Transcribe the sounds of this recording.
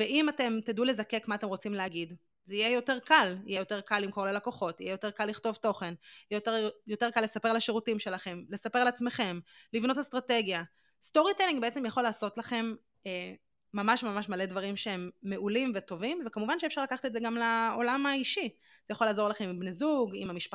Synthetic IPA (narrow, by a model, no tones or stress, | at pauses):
veʔimate̞mt̪edule̞zake̞kmaːtemʁot͡simleaɡid | zeijejo̞te̞ʁkalijejo̞t̪e̞ʁkalːimko̞ʁlelako̞χo̞tijejo̞t̪e̞ʁkalːiχto̞vto̞χe̞nijɛotejote̞ʁkalːe̞sape̞ʁalaʃeʁutimʃe̞laχe̞mle̞sapealat͡sme̞χe̞mlivno̞tastʁate̞ɡja | st̪o̞ʁitelĩŋɡbeet͡se̞mjaχo̞laːso̞tlaχe̞m | eː | amaʃmamaʃmale̞dvaʁimʃeemːe̞ulimveto̞vimvekamuvanʃeefʃaʁlakaχḁtezeɡamlaolamaiʃi | z̥ejaχo̞laːzo̞ʁlaχe̞mimbnezuɡimamiʃpa